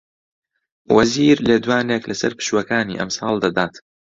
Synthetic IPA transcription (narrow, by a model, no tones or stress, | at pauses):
wɐ̰ziːɾleːd̪waːneːklɐsɐ̰ɾpɨ̥ʃwɐkaːnḭːʔɐ̰msɑːlˠd̪ɐd̪aːt̪